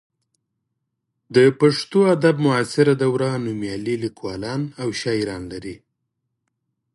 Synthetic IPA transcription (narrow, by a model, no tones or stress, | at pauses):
d̪əpaʂt̪oad̪ab̚mʊasɪɾad̪awɾanumjɑlilikwɑlɑnawʃɑiɾɑnlaɾi